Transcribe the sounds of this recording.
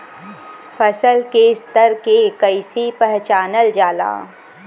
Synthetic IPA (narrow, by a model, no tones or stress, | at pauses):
pʰɐsəlkeɪst̪əɾkekəɪsipɛɦt͡ʃaːnəld͡ʒaːla̰ː